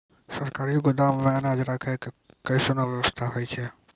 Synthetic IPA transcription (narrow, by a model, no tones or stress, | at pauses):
səɾkaɾiɡod̪ammẽənad͡ʒɾakʰɛke | kəɪsonaʋəʋəst̪ʰaɦojt͡ʃʰɛ